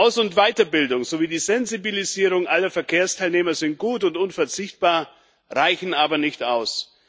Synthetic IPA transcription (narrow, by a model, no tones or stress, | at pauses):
ʔaʊsʊntv̥aɪtɐbɪldʊŋzoviːdiːzɛnzibiliziːʁʊŋʔalɐfɛɐkʰeːɐstʰaɪlneːmɐzɪnt̚ɡ̥uːtʊntʊnfɛɐt͡sɪçt̚b̥aːɐ | ʁaɪçn̩ʔaːbɐnɪçtʔa̰ʊs